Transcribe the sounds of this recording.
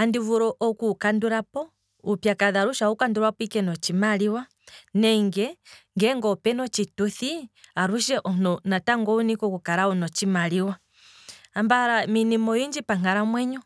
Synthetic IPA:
andivuɾɔʔɔkukanduɾapɔ | upjakaðaɾuʃaukanduɾwapikɛnɔt͡ʃimaliwa | nɛŋɡɛŋɡɛŋɡɔpɛnɔt͡ʃituθiaɾuʃɛʔɔnɔnataŋɡɔunikɔkukaɾaɔnɔt͡ʃimaliwa | ambaɾaminimɔjiɲd͡ʒipaŋaɾamwɛɲɔ

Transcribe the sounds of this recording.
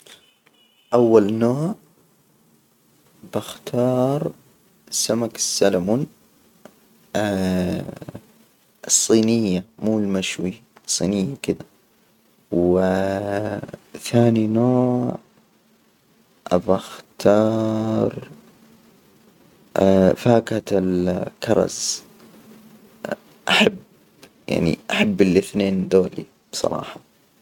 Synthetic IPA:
ʔawːalnoːʕ | b̥axt̪ʰɑːɾˤ | samakɪ̥sːalamun | ɨsˤːiːnɪjːamuːlmaʃwisˤːḭːnɪjːakɪd̪a | wɪ | θaːninoːʕ | ʔabaxt̪ʰɑːɾˤ | faːkat̪ɪlkɑɾˤɑ̰z | ʔaħab | ja̰ʕnḭʔaħabːɪlɪθneːnd̪oːlḭ | b̥sˤɑ̰ɾˤɑ̰ːħɑ

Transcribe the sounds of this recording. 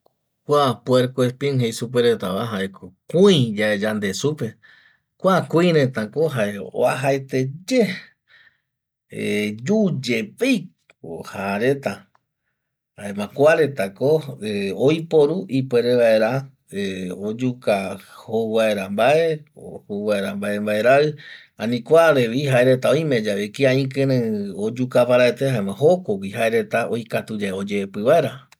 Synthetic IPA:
kʷapweɾkwespĩŋhejsup̬eɾet̪aβaɦaekʰokuĩd͡ʒaed͡ʒand̪e̞supe̞ | kʷakuĩɾẽt̪akoɦaeo̰aɦaet̪ed͡ʒe | ed͡ʒud͡ʒepej | o̰haɾet̪a | aemãkʷaɾe̞t̪akoeojpo̞ɾuʔipweɾeβae̞ɾa | eod͡ʒukahoβae̞ɾambaʔe̞ohoβaeɾambae̞mbae̞ɾaɨ | ãnĩkʷaɾeβiɦaeɾe̞t̪aojmed͡ʒaβekiãĩkɨ̃ɾɨ̃od͡ʒukapaɾaet̪ehaemãɦo̞kok̬ʷiɦaeɾe̞t̪aojkat̪ud͡ʒaod͡ʒeepɨβae̞ɾa

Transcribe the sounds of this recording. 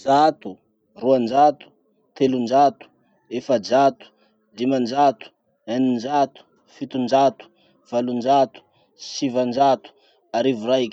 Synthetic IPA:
d͡ʒat̪u | ruand͡ʒat̪u̥ | t̪elund͡ʒat̪u̥ | efad͡ʒat̪u̥ | d̪imand͡ʒat̪u̥ | anind͡ʒat̪u̥ | fit̪und͡ʒat̪u̥ | v̥alund͡ʒat̪u̥ | sivand͡ʒat̪u̥ | aɾivuɾak

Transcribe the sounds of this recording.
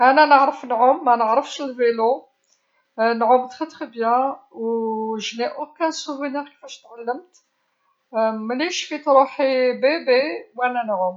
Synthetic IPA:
ʔænænəʕɾəfnʕʊmːænəʕɾəfʃəlvelo | nʕʊmt̪xət̪xibjæwʒniʔukːænsuwinikə̥fæʃt̪ʕalːəmt̪ | mliʃfit̪ɾuħibibiwʔænænʕʊm

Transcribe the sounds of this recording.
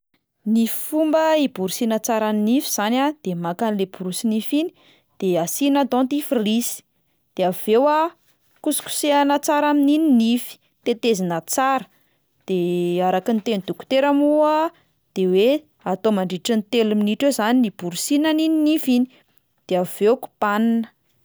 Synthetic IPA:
niffumbəibuɾusinət͡saɾaminifiz̥anad̪̥emakanilebuɾusinifini̥ | d̪̥easinat̪õnt̪ifirisi̥ | d̪̥eav̥ewa | kusu̥kʲu̥seanət͡saɾaminininifi̥ | t̪et̪ezinət͡saɾə̥ | d̪̥eaɾakint̪enid̪uku̥t̪eɾamua | d̪̥ewe | at̪omaɳɖ͡ʐiʈ͡ʂint̪eluminiʈ͡ʂezaninib̥uɾusinanininifini̥ | d̪̥eav̥eku̥paninə̥

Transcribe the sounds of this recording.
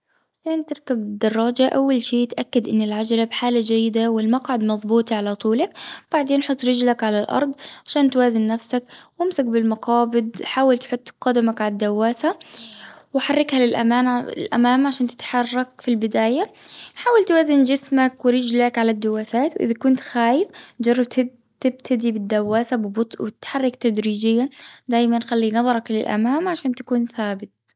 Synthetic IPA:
ʕʕaʃaːnt̪ɪɾkabɪd̪ɑrˤːɑːd͡ʒaʔawːalʃiːt̪ʔakːad̪ʔɪnːɪlʕad͡ʒalabħaːlad͡ʒajːɪd̪awɪlmɑqʕad̪mɑðˤbuːt̪ˤʕalat̪ˤuːlakb̥aʕd̪eːnħʊt̪ˤːɾɪd͡ʒlakʕalalʔɑ̰ɾˤd̪ˤʕaʃaːnt̪waːzɪnːafsakwɪmsak̚bɪlmɑqɑːbɪd̪ħaːwalt̪ħʊt̪ˤːqɑd̪amakʕalad̪ːawːaːsa | wħarˤːɪkhalɪlʔa̰maːnlʔa̰maːmʕaʃaːnt̪ɪ̥t̪ħɑrˤːɑkfilbɪd̪aːjaħaːwalt̪waːzɪnd͡ʒɪsmakwɪɾɪd͡ʒlakʕalad̪ːawaːsaːt̪wʔɪ̰ðakʊnt̪xaːjɪfd͡ʒɑrˤːɑb̚t̪ | t̪ɪbt̪ʰad̪ibɪd̪ːawːaːsabbt̪ˤwɪt̪ħarˤːɑkt̪ad̪ɾiːd͡ʒɪjːad̪aːjmanxalːinɑðˤɑɾˤɑklɪ̰lʔa̰maːmʕaʃaːnt̪ḁkuːnθaːbɪt̪̚

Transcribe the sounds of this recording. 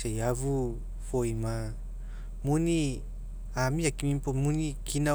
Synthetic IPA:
ajavu | fojma | muni | amiakimimpomunikʰina

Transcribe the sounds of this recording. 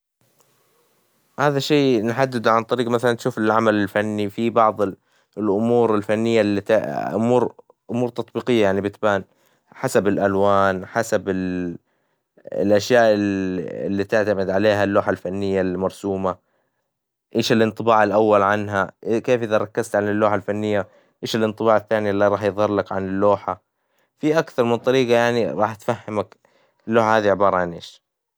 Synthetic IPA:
haːðaʃeːnħad̪ːɪd̪ʕant̪ˤɑɾiːqmaθalant̪ʃuːfɪlʕamalɪlfanːifibɑʕðˤ | lʔʊmuːɾɪlfanːɪjːalːit̪ʔʊmuːɾ | ʔʊmuːɾt̪ɑt̪̚ˤbiːqɪjːajaʕnibɪt̪baːn | ħasabɪlʔalwaːnħasabɪl | lʔaʃjaːʔɪɪ̰lːit̪ɪʕt̪amɪd̪ʕaleːɦalːoːħalfanːɪjːalmɑɾˤsuːma | ʔeːʃɪlʔɨnt̪ˤɨbɑːʕɪlʔawːalʕanɦaʔkeːfʔɪðaɾˤɑkːɪzt̪ʕanɪlːoːħalfanːɪjːa | ʔeːʃɪlɨnt̪ˤɨbɑːʕɪθːaːnilːiɾˤɑːħjðˤɑrˤlakʕa̰nɪlːoːħa | fiʔakθɑɾˤmɪnt̪ˤɑɾiːɡajaʕniɾˤɑːħt̪fahːɪmak | ɪlːoːħahaːðiʕɪbɑːɾˤɑʕanʔeːʃ

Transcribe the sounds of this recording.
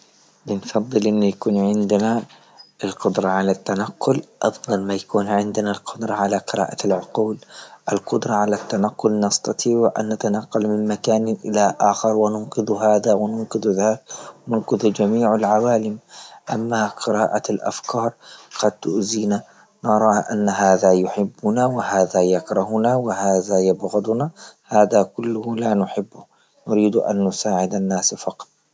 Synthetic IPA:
bɪnfɑðˤːɨlʔɪnːijakuːnʕɪnd̪na | ʔɪlqʊd̪ɾˤɑʕalat̪ːanaqːʊlʔɑfd̪ˤɑlmajakuːnʕɪnd̪nalqʰʊd̪ɾˤɑʕalaqɨɾa̰ːʔalʕʊquːlʔɪlqʊd̪ɾˤɑʕalat̪ːanaqːʊlnɑst̪ɑt̪ʰˤiːʕʕʔa̰nːat̪anɑqːalmɪnmakaːnʔɪlaʔaːxɪɾˤwɪnʊnqɨðɦaːðawɪnʊnqɨðuðaːt̪̚wɪnʊnqɨðd͡ʒamiːʕalʕawaːlɪmʔamːaqɪɾaːʔaalʔa̰fkɑːɾˤqɑd̪̚t̪ʊʔziːna | nɑɾˤɑːʔa̰nːɦaːðajʊħɪbːʊnawɪhaːðajakɾˤɑhʊnawɪhaːðajabɣʊd̪ˤʊnahaːðakʊlːʊhlanʊħɪbːʊ | nʊɾiːd̪ʔa̰nːʊsaːʕɪd̪anːaːsfɑqɑ̥t̪ˤ

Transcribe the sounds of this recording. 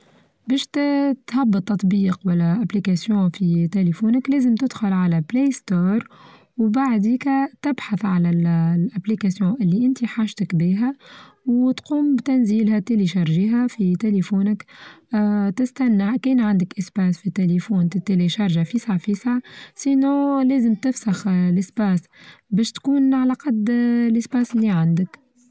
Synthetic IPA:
bɛːʃt̪t̪hɑbːɑt̪ːɑt̪ˤbiːqwælːæʔæplikasjõːfit̪elefuːnɪklæːzɪmt̪ɪd̪̥xʊlʕalæbleːst̪oːɾˤ | wbaʕd̪iːkæt̪ɪbħaθʕalællʔæplikasjõʔɪlːiʔɪnt̪iħaːʃt̪ɪkbiːɦæ | wt̪quːmbt̪ænziːlɦæt̪eliʃɑɾˤʒiɦafit̪elefuːnɪk | t̪ɪst̪ænːaʕkiːnʕand̪ɪkʔɪsbaːsfit̪elefuːnt̪t̪ːeleʃɑɾˤʒafisaʕfisaʕsinːõːlæːzəmt̪ɪfsaxlʔɪsbaːsbɛːʃt̪kuːnʕalaqɑd̪lʔɪsbaːsɪlːiʕand̪ək

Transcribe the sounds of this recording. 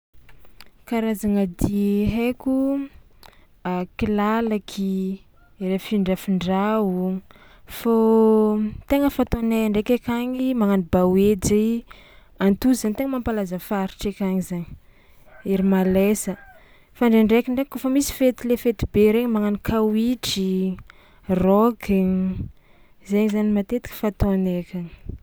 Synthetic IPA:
kaɾazaŋad̪iɦekʲu | akilalakʰi | ɾefiɳɖ͡ʐafiɳɖ͡ʐau | fo | t̪eŋəfat̪oneɳɖ͡ʐekekʲaɲimaŋanibawed͡ʒa | ant̪uzant̪eŋəmampalazəfaɾiʈ͡ʂekʲaŋizaɲi̥ | eɾimalesə | faɳɖ͡ʐeɳɖ͡ʐekiɳɖ͡ʐekofəmisi̥fet̪ilefet̪ibeɾeŋimaŋanikʰawiʈ͡ʂi | rɔɡ | zeɲizanimat̪et̪i̥kʲi̥fat̪onekʲaŋi̥

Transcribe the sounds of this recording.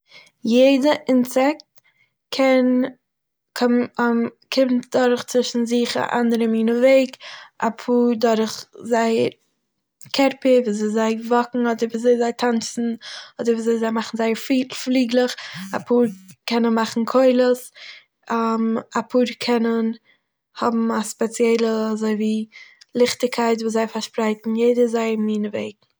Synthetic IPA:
jeɪdəʔɪnsɛk̚t | kʰɛn | kʰɔm | kʰɪmtdɔɾχt͡svɪʃn̩zɪχa̰ʔa̰ndəɾəmiːnəveɪkʔa̰pʰuːɾdɔɾχzaɪəɾ | kʰɛɾpɪviːzeɪzaɪvɔkŋ̩ɔdəɾviːzeɪzaɪtʰant͡sn̩ɔdəɾviːzeɪzaɪmaχn̩zaɪəɾfflˠiːɡlˠəχa̰pʰuːɾkɛnənmaχn̩kʰoɪlˠəs | amapʰuːɾkʰɛnən | hɔbm̩aspɛt͡sjɛɪlˠəazoɪviːlˠɪχtɪkʰaɪt̬vuːszaɪfaɾʃpɾaɪtn̩jeɪdəzaɪəmiːnəveɪɡ̚

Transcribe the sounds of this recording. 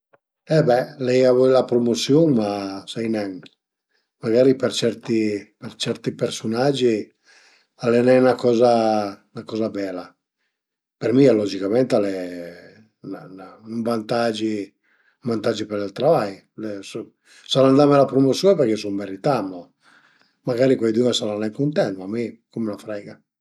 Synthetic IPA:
ɛbɛlɛjavɔilapɾomosjɔŋmasɛjnɛŋ | maɡaːɾipɛrt͡ʃɛɾt̪ipɛɾt͡ʃɛɾt̪ipɛɾsunad͡ʒːi | alɛnɛnakɔːzanakɔːzabɛːla | pɛrmialɔd͡ʒikamɛnt̪alɛ | nananuɱvant̪ad͡ʒi | uvant̪ad͡ʒːipɛɾalt̪ɾavaj | lɛs | saland̪amɛlapɾumɔsupɛɾkɛsommɛɾit̪amːɔ | maɡaːɾikwajd̪umɛsalanɛkunt̪ɛnt̪mamːikumɛnafɾɛːɡa

